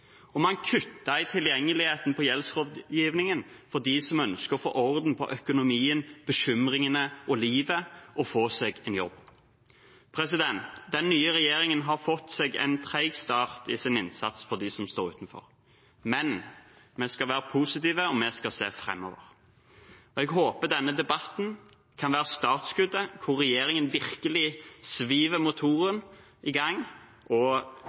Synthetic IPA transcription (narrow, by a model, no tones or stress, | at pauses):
ɔmɑnkʰʉt̪ːɑɪt̪ʰɪljɛŋːəlɪheːt̪n̩pʰɔjɛlsʁoːd̪jiːʋnɪŋənfɔʁd̪iːsɔmœnskəɔfo̰ːʔɔʁd̪npʰɔ̰ʔœkʊnʊmiːənb̥əʃʏmʁɪŋənəɔliːʋəʔɔfoːsɛɡɛnjɔbː | pʰɾɛsɪd̪ɛnt̪d̪ɛnːyːəɾɛjeːɾɪŋənɦɑʁfɔt̪ːsɛɡɛ̰ɪnt̪ʰʁæɪɡst̪ɑːʁt̪ɪsɪnɪnsɑt̪sfɔɾd̪ɪsɔmst̪oːɾʉ̰ːt̪n̩fɔ̰ɾ | mɛn | mɛskɑʋæːɾəpʰuːsɪt̪iːʋəɔmɛskɑseːfɾɛ̰mːo̰ːʋə̰ʁ | ɔɛɡɦoːpəd̪ɛnːəd̪ɛbɑt̪n̩ | kʰɑnʋæːʁəst̪ɑːt̪skʉd̪ːəkʰʊʁːɛjeːɾɪŋənʋɪʁkəlɪsʋiːʋəmʊt̪ʰuːɾən | ɪɡɑŋ | ʔɔ